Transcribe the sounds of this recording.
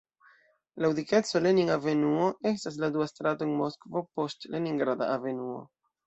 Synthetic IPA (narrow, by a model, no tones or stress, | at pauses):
laudike̞t͡so̞le̞niŋave̞nuo̞ʔe̞s̬tas̬laduastɾatoenmo̞skvo̞po̞stle̞niŋɡɾada̰ʔave̞nuo̞̰